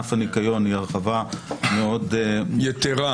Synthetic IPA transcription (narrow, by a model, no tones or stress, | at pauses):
afanikajo̞niaʁχavameo̞djet̪eʁa